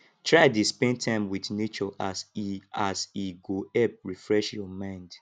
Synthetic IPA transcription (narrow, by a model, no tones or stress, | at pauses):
tʰɹaɪdispɛ̃ntʰãɪ̃mwiθnet͡ʃɔʔasasiɡoɛp̚ɹifɹɛʃjɔmãɪ̃nd